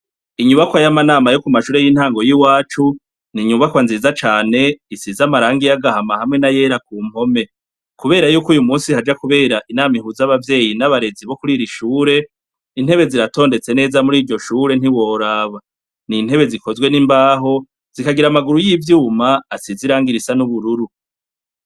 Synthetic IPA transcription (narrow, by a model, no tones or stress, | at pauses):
iɲuβakwajamanaːmajo̞kumaʃuːɾe̞jin̥haːŋɡo̞jiwaːt͡ʃu | niɲuβakwanziːzat͡ʃaːne̞isizamaɾaːŋɡijaɡahamahamŋe̞naje̞ɾakuːm̥ho̞me̞ | kuβe̞ːɾajuːkuːjumuːnsihad͡ʒakuβe̞ːɾaʔinaːmihuzaβavje̞ːjinaβaɾe̞ziβo̞kuɾiɾiʃuːɾe | in̥he̞βe̞ziɾato̞ːnde̞t͡se̞ne̞ːzamuɾiːɾɟo̞ʃuːɾe̞n̥iwo̞ːɾaːβa | nin̥he̞βe̞ziko̞zwe̞nimbaːɦo̞ | z̥ikaɡiɾamaɡuɾujivjuːmaːsiziɾaːŋɡiɾisanuβuɾuɾu